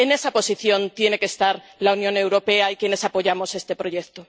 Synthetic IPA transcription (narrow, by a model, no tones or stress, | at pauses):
ene̞sapo̞siθjõ̞nt̪je̞ne̞kest̪aɾlaunjõ̞ne̞wɾo̞pe̞aikjene̞sapo̞ʝamo̞se̞st̪e̞pɾoʝe̞kt̪o